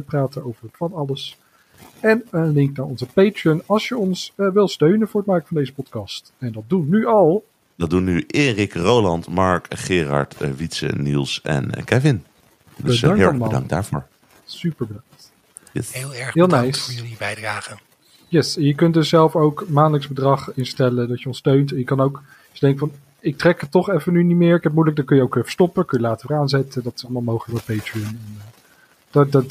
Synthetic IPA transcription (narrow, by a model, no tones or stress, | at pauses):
praːtənowvəɹəfɑnɑləs | ɛnənlɪŋknaːɹɔnzəpejtɹiənɑlˠʃjəɔnsʋɪlˠstøɥnənvʊːɹətmɛɹkəfɑndejzəpɔtkɑst | ɛndɑt̚dunːyɑlˠ | dɑt̚dunːyʔeːrɪkrowlɑntmɑɹkχɪːrɑ̰ɹtʋitsə̰nḭlˠsɛ̰nkɛvɪn | dəbəsɑŋkɪləmaəːldɑ̰ŋ̚d̚da̰ːɹvoːɹ | sypəɹbədɑŋkt | helˠɛɹɦɪːlˠnɛjsjnibɛjdraːχə | jɛsjəkɵntdɵsːɛlˠfowkmaːnləkzbədrɑχɪnstɛlədɑtjəɔnstøɥntɛnjəkɑnowk | sdɛŋkfɑn | ɪk̚trɛkətɔχɛfənynimɪːɹɪkɛt̚mujlək̚dɑt̚kɵnjəowkɛfə̥stɔpəkɵjəlaːtəəɹaːnzɛtədɑtɪ̥sɑləmaːlˠmowχələkmɛt̚pejtɹiənɛnː | d̥d